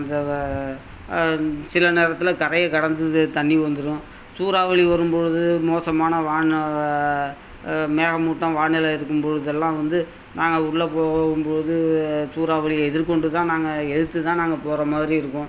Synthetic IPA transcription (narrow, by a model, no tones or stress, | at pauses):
ɐnd̪ɐ | sɪlɐneːɾɐt̪ːɪlɐkɐɾɐjɐkɐɽɐnd̪ɯt̪ɐɳːiʋɐnd̪ɯɾʊ̃ | suːɾaːʋɐɭiʋɐɾɯmpoɻɯðɯmoːsɐmaːnɐʋaːɳ | meːɣɐmuːʈːɐ̃ʋaːɳɪlɐɪɾɯkːɯmpɔɻɯðɛlːãːʋɐnd̪ɯ | naːŋɡɐʊɽɯlɐpoːɣɣɯmpoɻɯðɯsuːɾaːʋɐɭɪjɐɛðɪɾkɔɳɖɯt̪ãːnaːŋɡɐɛðɯt̪ːɯt̪ãːnaːŋɡɐpoːɾɐmaːðɪɾiɪɾɯkːʊ̃ː